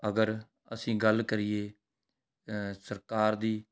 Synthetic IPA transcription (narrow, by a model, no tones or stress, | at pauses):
əɡəɾ | ə̰sĩːɡəlkəɾɪjeː | səɾkaːɾd̪iː